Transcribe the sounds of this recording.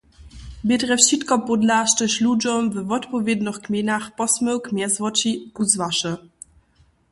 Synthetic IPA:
betʁɛfʃitkɔpɔdlaʃtəɕlud͡ʒɔmvəvɔtpɔvʲjed̪nɔxkmʲjenaxpɔsməwkmjɛzvɔt͡ʃikuzvaʃə

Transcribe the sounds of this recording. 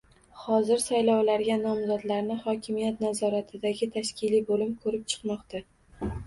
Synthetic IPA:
hɒzɪɾsajlɒwlaɾɡʲanɒmzɒd̪laɾnɪχɒkʲʰɪmijat̪nazɒɾat̪ʰɪd̪aɡʲɪt̪ʰaʃkʲʰɪlibolɪmkʰɵɾɪp̚t͡ʃʰɨ̥qmɒqt̪a

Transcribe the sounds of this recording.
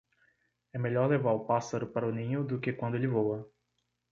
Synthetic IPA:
ɛmeʎɔɾlevaɾʊpasaɾʊpaɾɐʊnĩɲʊd̪ʊkɪkwɐ̃nd̪ʊelɪvowɐ

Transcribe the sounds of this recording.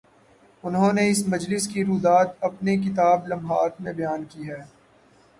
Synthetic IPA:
ʊnɦõːneɪsmɐd͡ʒlɪskiɾuːd̪aːt̪ɐpnek̬ɪt̪aːblɐmɦaːt̪mẽbɐjaːnkiːɦɛː

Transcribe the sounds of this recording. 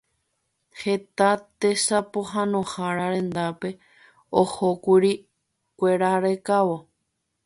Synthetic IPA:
het̪at̪e̞sapoɦãnõhaɾaɾẽ̞nd̪ape̞ | ohokuɾi | kʷe̞ɾaɾe̞kaʋo

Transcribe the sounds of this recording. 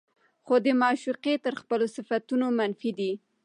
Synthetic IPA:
xod̪əmɑʃuqet̪əɾxpəlosɪfat̪unomanfid̪i

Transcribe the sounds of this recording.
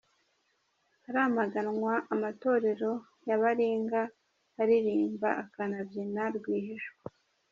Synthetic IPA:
aɾaːmaɡanŋwaʔamato̞ːɾe̞ɾo̞ | jaβaɾiːŋɡa | aɾiɾiːmba̰akanabjinaɾɡwiːɦiʃa

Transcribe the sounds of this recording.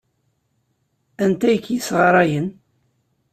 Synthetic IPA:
ænt̪æjəkːjəsʁɑɾˤɑjən

